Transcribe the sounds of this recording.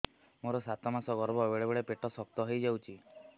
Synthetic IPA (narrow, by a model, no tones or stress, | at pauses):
moɾɔsat̪ɔmasɔɡɔɾbɔbeɭebeɭepeʈɔsɔk̚t̪ɔɦejd͡ʒawt͡ʃʰi